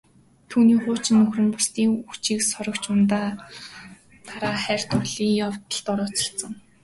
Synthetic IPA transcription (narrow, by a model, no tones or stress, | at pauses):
t̪ʰuːniːχʊːt͡ɕɪ̆nːɵxrɘ̆mpʊst̪iːŋut͡ɕiːksɔɾɞ̆kt͡ɕʊnt̪aː | t̪ʰaɾaːχæːr̥ʲt̪ʊɮiːŋjawt̪ə̆ɬt̪ɔɾɔːt͡ɕɪ̥̆ɬt͡sə̆ŋ